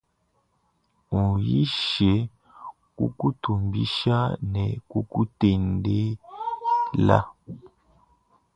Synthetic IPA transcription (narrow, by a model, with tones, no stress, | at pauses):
u˨ji˦ʃɛ˨˦ | kṵ˦ku˦tu˨mbi˦ʃa˦nɛ˨ku˦ku˦te˨nde˦ | la̰˦